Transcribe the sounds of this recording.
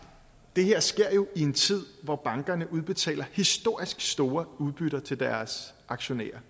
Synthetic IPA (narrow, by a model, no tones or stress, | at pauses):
d̥e̝heɐ̰sɡ̥e̝ɐ̰jo̝ʔie̝nt͡sʰið̞̰ˠʋɒb̥ɑ̈ŋɡ̥ɐnəʔuð̞ˠb̥e̝t͡sʰɛ̰ːlɐhisd̥o̝ɐ̰isɡ̥sd̥o̝ːɐuð̞ˠb̥yɾɐt͡sʰe̝ld̥æɐs | ɑ̈ɡ̥ɕo̝nḛːɐ